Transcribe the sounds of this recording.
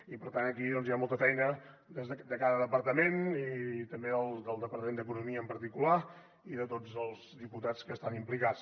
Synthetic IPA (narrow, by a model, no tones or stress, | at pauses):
ipəɾt̪anəkiðɔnzjamɔlˠt̪əfɛjnəd̪ezðəd̪əkaðəðəpəɾt̪əmenit̪əmbeðəlˠd̪əlˠd̪əpəɾt̪əmend̪əkunumiəːmpəɾt̪ikula | iðət̪od͡zəlˠzðiput̪at͡skəːst̪animplikat͡s